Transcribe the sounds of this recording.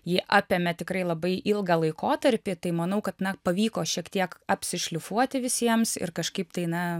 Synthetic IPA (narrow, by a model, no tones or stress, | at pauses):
jiːʔɑːpʲeːmʲɛt̪ʲɪkɾɐɪlˠɐbɐɪʔɪlˠɡɐlˠɐɪkoːt̪ɐɾʲpʲɪt̪ɐɪmɐnɐʊkɐt̪nɐpɐʋʲiːkoːʃʲiɛkt̪ʲiɛkɐpʲsʲɪʃʲlʲʊfuɔt̪ʲɪʋʲɪsʲiɛmsɪ̰rkɐʃkɐɪpt̪ɐɪnɐ